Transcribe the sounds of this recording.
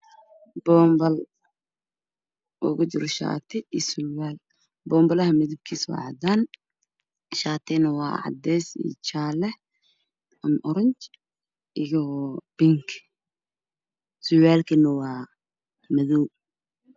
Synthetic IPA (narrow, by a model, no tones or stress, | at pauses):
b̥ɔːmbɐl | wɔ̰ːkʊt͡ʃɪɾɔʃa̰ːt̪ʰɪsʊwaːl | bɔːmbɐlɐɦɐmɪðɪb̚kʰiːswɑ̰ːʕɑd̪aːn | ʃaːt̪ʰɪnɐwɑ̰ːʕɑ̰d̪ɛjsḭt͡ʃaːlɛ | ɐmʔɔɾɐɲt͡ʃ | ɪjɔb̥ɪŋkʰ | sʊwaːlkʰinɐwɑː | mɐðuː